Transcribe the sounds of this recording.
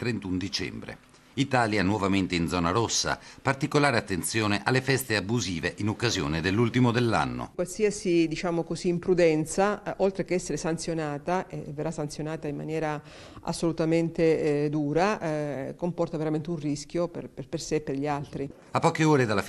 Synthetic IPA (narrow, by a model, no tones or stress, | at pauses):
t̪ɾent̪und̪it͡ʃɛ̰mbɾḛ | it̪aːljanwɔvament̪eind̪zɔːnaɾosːa̰part̪ikolaːɾeat̪ːent̪sjoːneʔalːefɛst̪eabuziːveʔinokːazjo̰ːned̪elːult̪imod̪elːa̰nːo̰kwalsiːasid̪it͡ʃaːmokoziːmpɾud̪ɛnt̪saʔolt̪ɾekeɛsːeɾesant̪sjonaːt̪aʔeverːasːant̪sjonaːt̪aimːa̰njɛːɾa | a̰sːolut̪ament̪ed̪uːɾakompɔrt̪aveɾament̪eunrisk̟jopḛrperpersepːerʎialt̪ɾi | apːɔːkeoːɾed̪alːaf